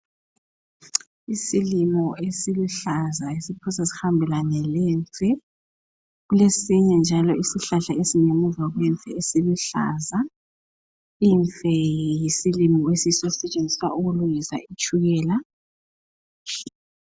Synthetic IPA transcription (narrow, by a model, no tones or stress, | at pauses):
isilimɔesiluɬazaesipʰusasi̥xambʱɛlanɛlɛːnt͡sʰʼɛ | ɣulesiɲɛnd͡ʒʱalɔisiɬaɬaesinemuzaɣwɛɱfɛesiluɬa̰ːza | infɛjisilimɔesisɔusɛt͡ʃʼend͡zʱiswaʔuɣulujisa̰it͡ʃʰʼuɣɛːla